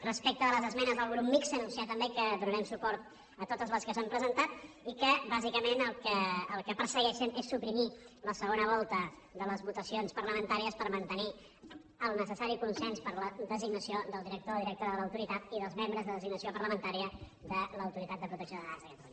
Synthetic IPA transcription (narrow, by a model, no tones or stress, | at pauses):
rəspek̚t̪əələzəzmɛnəzðəlˠɣɾupmiksənunsiat̪əmbekəðunəɾɛmsupɔɾt̪ | ət̪ot̪əzləskəsampɾəzənt̪at̪ | ikəbazikəmenəlˠkəːlˠkəpəɾsəɣɛʃənesːupɾimiləsəɣ̞onəβ̞ɔlˠt̪ə | ðələzβut̪əsionspərləmənt̪aɾiəspəɾmənt̪əni | əlˠnəsəsaɾikunsɛnspəɾləðəziɡnəsioðəlˠd̪iɾək̚t̪oðiɾək̚t̪oɾəðələwt̪uɾit̪at̪̚iðəlˠzmembɾəzðəðəziɡnəsiopəɾləmənt̪aɾiə | d̪ələwt̪uɾit̪at̪d̪əpɾut̪əksjoðəɣazəkət̪luɲə